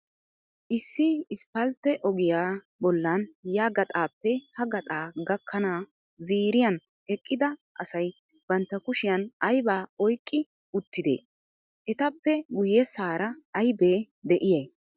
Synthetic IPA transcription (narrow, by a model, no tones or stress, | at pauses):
ʔɪsːɪɪspːɐlt̪ːɛʔɔɡɪjaː | bɔlːɐnjaːɡɐt̪ʼaːpːɛhɐɡɐt̪ʼaːɡɐkʰːɐnaː | ziːɾɪjɐn | ɛkʼːɪd̪ɐʔɐsɐj | b̥ɐnt̪ːɐkʊʃɪjɐnɐjbaːɔjkʼːɪ | ʊt̪ːɪd̪ḛː | ʔɛt̪ɐpːɛɡʊjɛsaːɾɐɐjbeː | d̪ɛʔɪjɐj